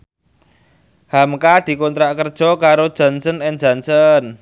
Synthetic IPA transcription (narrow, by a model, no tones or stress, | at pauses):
hamkad̪̥i̤kont̪ɾaʔkərd̥ʒ̥ɔ̤kaɾod̥ʒ̥a̤nsənɪnd͡ʒ̥a̤nsən